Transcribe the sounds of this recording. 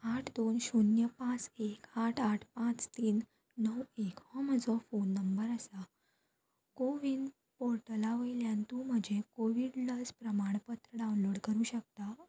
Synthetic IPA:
aʈʰd̪onɕunjəpãt͡sekaʈʰaʈʰpãt͡st̪iːnː | əwekɦɔm̤əd͡zɔfonːəmbəɾəsa | koʋin | poɾʈəlaʋəiljãnt̪uːm̤əd͡ʑʱekoʋiɽləd͡zpɾəmaɽ̃pət̪ɾəɖawnloɽkəɾuːɕək̚t̪a

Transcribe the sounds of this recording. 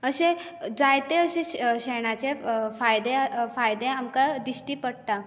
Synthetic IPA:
əɕẽ | d͡zajt̪eəɕẽɕeɽ̃at͡ɕefajd̪efajd̪ẽamkad̪iɕʈiːpəɽt̪a

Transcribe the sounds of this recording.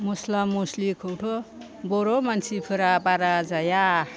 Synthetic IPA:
moslamuslikʰowʈʰo | boɾomant͡sʰipʰɯɾapaɾad͡zaja

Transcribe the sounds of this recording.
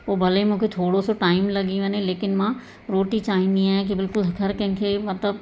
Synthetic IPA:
ʋoːbɐlemũkʰet̪ʰoːɽosoʈaːɪmlɐɡiʋɐ̃nẽleːkɪnmã | ɾoːʈit͡ʃaːɦĩnd̪iɦãk̬ibɪlkʊlɦɡʰʱɐɾkɐ̃ɦɪ̃kʰemɐt̪ləb

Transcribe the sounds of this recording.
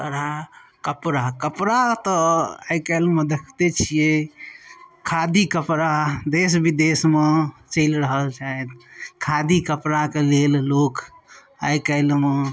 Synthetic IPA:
t̪əɾakəpɾakəpɾat̪ɔajkəlmed̪ekʰt̪et͡ʃʰije | kʰad̪ikəpɾad̪esbid̪esmet͡ʃəɪlɾəɦəlt͡ʃaɛt̪kʰad̪ikəpɾakelellok | a̰jkəɪlme

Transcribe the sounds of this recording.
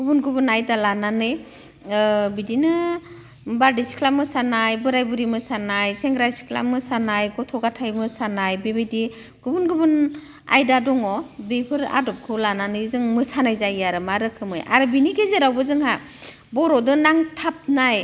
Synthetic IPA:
ɡ̥ubunɡubunajdalananɯj | bidinɯ | baɾdisi̥kʰlamɯsanajbɯɾajbuɾimɯsanajseŋɡɾajsi̥kʰla̰mɯsanajɡɔtʰɔɡatʰajmɯsanajbebedi | ɡ̥ubunɡubun | a̰jdadɔŋɔbepʰɯɾa̰dɔp̚kʰɯlananɯjzɯŋmɯsanajzajaɾɯmaɾɯkʰɯmɯjʔa̰ɾɯbiniɡezeɾawbɯzɯŋha | bɔɾɔdɯnaŋtʰap̚naj

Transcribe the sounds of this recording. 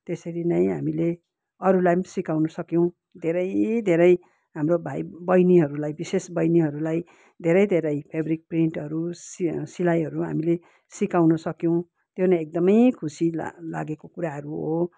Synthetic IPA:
t̪esʌɾinʌj̃ɦa̰mile | ʌɾulajmsikawnʌsʌkjõw̃ | d̪ʱeɾʌjd̪ʱeɾʌj | ɦamrobʱajbʌjniɦʌɾulajbisesbʌjniɦʌɾulaj | d̪ʱeɾʌjd̪ʱeɾʌjpʰebɾik̚priɳʈɦʌɾussilajɦʌɾuɦa̰mile | sikawnʌsʌkjõw̃ | t̪jonʌj̃ek̚d̪ʌmʌjkʰusḭla̰ɡekokuɾaɦʌɾuɦo

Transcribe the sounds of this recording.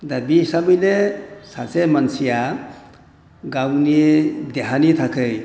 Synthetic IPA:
d̪abisabɯjlesasemansija | ɡawnid̪eɦanit̪ʰakʰɯj

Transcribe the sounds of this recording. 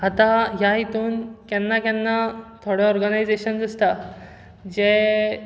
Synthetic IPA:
at̪ãɦjaɦit̪uːnkɛ̃nːakɛnːat̪ʰoɽɔɔɾɡanajd͡zeɕənd͡z̪ist̪a | d͡ʑe

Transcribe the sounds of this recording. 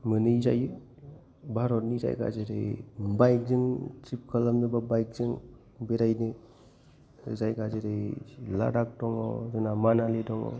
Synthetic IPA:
mɯnɯza̰jɯ | bʱaɾɔtniza̰j̰ka̰d͡ʒeɾɯ̰jbajk̚zɯŋt͡ʃip̚kʰalamnɯbabajk̚zɯŋ | beɾajnɯ | zajɡazeɾɯjla̰dak̚dɔŋɔ̰zɯnamanalidɔŋɔ̰

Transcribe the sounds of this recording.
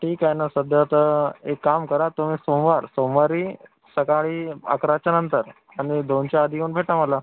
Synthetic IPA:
ʈʰiːkajnasəd̪ʱjat̪əekːamkəɾat̪um̤iːsomʋaɾsomʋaɾiː | səkaɭiːa̰kɾat͡ɕjanənt̪əɾ | aɽ̃id̪ont͡ɕjaːd̪ʱiuːnbʱeʈaməla

